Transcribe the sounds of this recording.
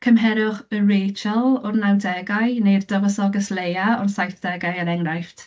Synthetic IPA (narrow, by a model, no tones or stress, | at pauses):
kʰəmɦɛɾʊχərejt͡ʃəlˠʊrnawdɛɡajnejrd̥əvəsɔɡəslejaɔnsajθd̥ɛɡajaɾɛŋrajftʰ